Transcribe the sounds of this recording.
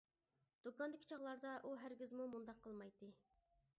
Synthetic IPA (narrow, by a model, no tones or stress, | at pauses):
d̪̥ukɑnd̪ɪkʲʰi̥t͡ʃʰɑʁlˠɑɾd̪ɑʔuɦæɾɡʲizmumund̪ɑqʰːəlˠmɑjt̪ːɨ